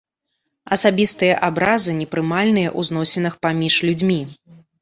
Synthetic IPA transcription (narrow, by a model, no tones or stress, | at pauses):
ɐsabʲist̪ɨjɐʔabɾazɨnʲɛpɾɨmalʲnɨjɐʔuznɔsʲɛnɨxpamʲiʂlʲud͡zʲmʲi